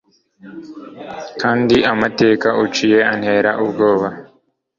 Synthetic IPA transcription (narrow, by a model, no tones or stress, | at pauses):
kʰaːndiamate̞ːkaʔut͡ʃije̞anhe̞ːɾaʔubɡo̞ːβa